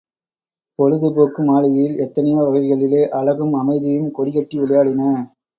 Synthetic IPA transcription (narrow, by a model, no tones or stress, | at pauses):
pɔɻɯðɯpoːkːɯmaːlɐjɐjɪlɛt̪ːɐnɐjaːʋɐɣɐɪɣɐɭɪleːʔɐɭɐɣɯmɐmɐɪðɪjɯmkɔɽɪɣɐʈːiʋɪɭɐjaːɽɪnɐ